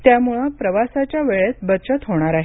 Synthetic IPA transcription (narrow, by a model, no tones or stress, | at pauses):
t̪jamuɭəpɾəʋasat͡ɕjaʋeɭesbət̪ːt͡ɕət̪ɦoɽ̃aɾaɦe